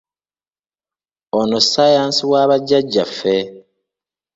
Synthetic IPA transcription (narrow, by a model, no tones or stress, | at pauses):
onosajaːnsiβwaːβaɟːaɟːafːe